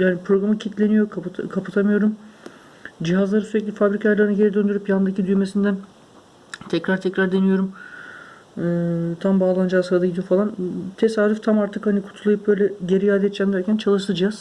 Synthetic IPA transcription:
jaːnipʰɾo̞ɡɾamɯcʰit̪lʲe̞nijo̞k̪ʰkʰapʰɯ̥t̪ʰamɯjo̞ɾum | d͡ʒiɦazlˠaɾɯsyɾɛcʲlʲifabɾicʰalˠaɾɯnaɟe̞ɾid̪ø̞nd̪yɾypjannd̪acid̪yjmesind̪æn | t̪ʰɛcɾaɾt̪ʰɛcɾaɾd̪e̞nijo̞ɾum | ɯːt̪ʰambaːlˠand͡ʒaːsɯɾad̪aɟid̪ijofalˠant̪ʰe̞saːɾyft̪ʰamaɾt̪ʰɯkhanikʰu̥t̪ʰulˠajɯp̚bø̞jlʲɛɟe̞ɾijaːd̪ɛt̪d͡ʒæmd̪æɾcʰænt͡ʃʰalˠɯʃlˠɯd͡ʒijaz̥

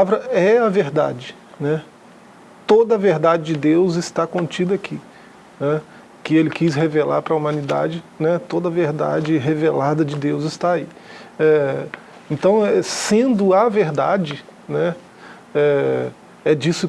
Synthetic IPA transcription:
avɾɐɛɐveɾd̪ad͡ʒɪ | nɛ | t̪od̪ɐɐveɾd̪ad͡ʒɪd͡ʒɪd̪ewzɪst̪akõt͡ʃid̪ɐakʰi | nɛ | kɪelɪkishevela̰ɾpɾɐumɐ̃nid̪a̰d͡ʒɪnɛt̪od̪ɐveɾd̪a̰d͡ʒɪɦevelad̪ɐd͡ʒɪd̪ewzɪst̪aai | ɛ | ẽnt̪ɐ̃w̃ɛsẽnd̪ʊɐveɾd̪ad͡ʒɪ | nɛ | ɛ | ɛd͡ʒisʊ

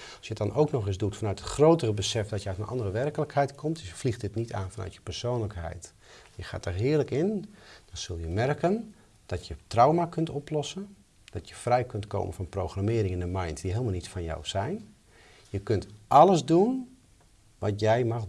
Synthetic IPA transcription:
ɑlˠsjədɑnʔowknɔxɪsdutfanœɥtətxrowtərəbəsɛfdɔtjəœtənʔɑ̰ndərəʋɛrkələkhɛjtkʰɔmtsəflixtɪtnitaːnfɔnœ̰ɥtjəpərsoːnləkɦɛ̰jt | jəxa̰ːtərɦɪːərləkɪnd̥ɔnsølˠjəmɛrkən | d̥ɔtjətrawmakɵntɔplɔsən | d̥ɔtjəfrɛjkɵntko̰ːmənfɑnprowxramɪːɾɪŋɪndəmajntdiɦɪːlˠmalˠnitsfɔnjɔ̰wsɛjn | jəkøntʔɑləzdun | ʋɑtjɛjmɑx

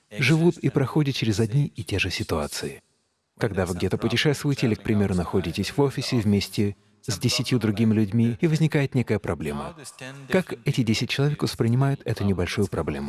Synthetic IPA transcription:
ʐɨvut̪ipɾɐxo̞dʲɪt̪̚t͡ɕɪɾʲɪzɐdʲnʲiɪtʲe̞ʐɨsʲɪt̪ʊat̪sɨɪ | kɐɡd̪avɨɡ̚dʲet̪əpʊtʲɪʂɛst̪vʊjɪtʲɪilʲɪk̚pɾʲɪmʲe̞ɾʊnɐxo̞dʲɪtʲɪsʲvo̞fʲɪsʲɪvmʲesʲtʲɪ | zʲdʲɪsʲɪtʲjud̪ɾʊɡʲimʲɪlʲʉdʲmʲiːvəzʲnʲɪkajɪt̪nʲe̞kəjəpɾɐblʲe̞mə̰kakɛtʲɪdʲesʲɪt̚ʲt͡ɕːɪlˠɐvʲe̞kvəspɾʲɪnʲɪmajʊt̪ʰɛt̪ʊnʲɪbɐlʲʂujʊpɾɐblʲe̞mʊ

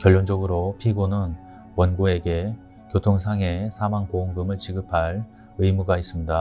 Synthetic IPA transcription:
kjʌɭːond͡ʑʌɡɯɾopʰiɡonɯn | wʌnɡue̞ɡe̞ | kjotʰoŋsʰaŋe̞sʰamaŋkooŋɡɯmɯɭt͡ɕiɡɯpʰaɭ | ɯjmuɡais͈ɯmɲida

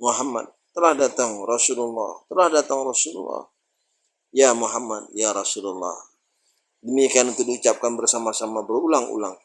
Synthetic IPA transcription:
muɦamːa̰t̪̚ːəlahdat̪aŋrɑsululːɑ̰ht̪əlahdat̪aŋrɑsulṵlːɔ̰h | jamuɦamat̪̚jaɾɑsululːɔ̰h | dəmikianunt̪udiut͡ʃap̚kanbərsamasamabərulaŋṵla̰ŋ

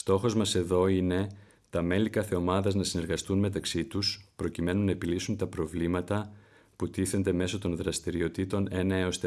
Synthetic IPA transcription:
st̪o̞xo̞zmɐse̞ðo̞ine̞ | t̪ɐme̞likɐθe̞o̞mɐðɐznɐsine̞ɾɣɐst̪unme̞t̪ɐksit̪uspɾo̞cime̞nunɐe̞pilisunt̪ɐpɾo̞vlimɐt̪ɐ | put̪iθe̞nd̪e̞me̞so̞t̪o̞nðɾɐst̪iɾio̞t̪it̪o̞ne̞nɐeost̪e

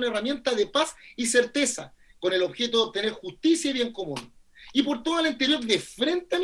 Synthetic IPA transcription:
naeramje̞nt̪aðepasiseɾt̪e̞sa̰ | ko̞nelo̞βxet̪̬oðeo̞p̚t̪ene̞ɾxust̪isjaiβje̞ŋko̞mun | ip̬o̞ɾt̪oðalent̪eɾjo̞ɾðefɾe̞nt̪am

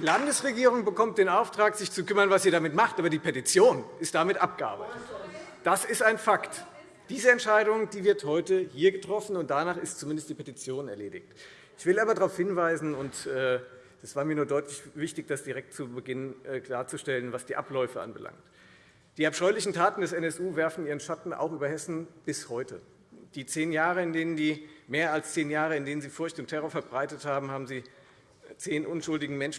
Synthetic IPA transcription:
d̥iːlandəsʁeɡiːʁ̞ʊŋbəkʰɔmt̚d̥eːnaʊftʁ̥aːkz̥ɪçt͡sukʏmɐnvasz̥iːɐɾamɪtmaχtʔaːbɐdiːpʰetit͡sjoːnʔɪstd̥amɪtʔap̚ɡ̥əa̰ːbɐ̰tt | d̥asɪstaɪnfakt | d̥iːzəɛntʃaɪdʊŋd̥iːvɪɐthɔʏtəhiːɐɡətʁ̥ɔfn̩ʊntd̥anaːχɪstt͡sumɪndəstd̥iːpʰetit͡sjoːnɛɐleːdɪ̰çt | ʔɪçv̥ɪlaːbɐdaʁaʊfhɪnvaɪzn̩ʊntʔɛː | d̥asv̥aːɐmiɐnuːɐdɔʏtʰlɪçvɪçtɪçd̥asd̥iʁɛk̚tt͡subəɡɪnənʔːkl̥aːɐt͡suʃtɛlənvasd̥iːʔa̰plɔʏfəʔa̰nbəlʔa̰ŋkt | d̥iːapʃɔʏlɪçn̩tʰaːtn̩dɛsɛnɛsʔuːvɛɐfn̩iːʁənʃatn̩ʔa̰ʊxχʔyːbɐhɛsn̩b̥ɪshɔʏtʰə̰ | d̥iːt͡seːnjaːʁəɪndeːnənziːmeːɐalst͡seːnjaːʁ̞əɪndeːnənziːfʊɐçtʊntʰːɛʁɔɐfɛɐbʁaɪtəthaːbm̩haːbm̩ziː | t͡seːnʔʊnʃʊldɪɡŋ̩mɛnʃ

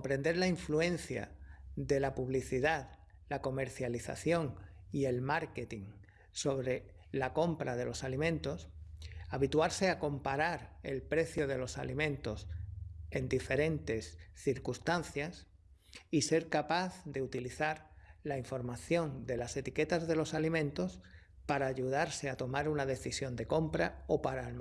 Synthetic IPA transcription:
ompɾe̞nd̪e̞ɾlaiɱfluẽ̞n̟θja̰ðe̞lapuβ̞liθiðað | lako̞me̞ɾθjaliθa̰θjo̞ŋie̞lmaɾke̞t̪iŋ | so̞βɾe̞ | lako̞mpɾað̞e̞lo̞salimẽ̞nt̪o̞saβit̪waɾse̞ako̞mpaɾaɾe̞lpɾe̞θjoð̞e̞lo̞sa̰limẽ̞nt̪o̞se̞nd̪ife̞ɾẽ̞nt̪e̞sθiɾkust̪anθjas | ise̞ɾkapaθðe̞ut̪iliθaɾlaiɱfo̞ɾmaθjo̞nd̪e̞lase̞t̪ike̞t̪azðe̞lo̞salimẽ̞nt̪o̞s | paɾaːʝuð̞aɾse̞at̪o̞maɾunaðe̞θisjo̞nd̪e̞ko̞mpɾao̞paɾal

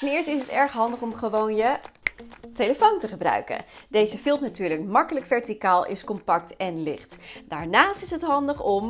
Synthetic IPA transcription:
ɛnɪːɹstɪsɦətɛɹχɦɑndəχɔmχəʋownjə | teləfowntəχəbrœ̰ɥkə̰ndejzəfɪlˠpnatyːɹləkmɑkələkfɛɹtikaːlˠɪ̰skɔmpɑk̚tɛnlɪχtd̥aːɹnaːstɪsɦətɦɑndəχɔm

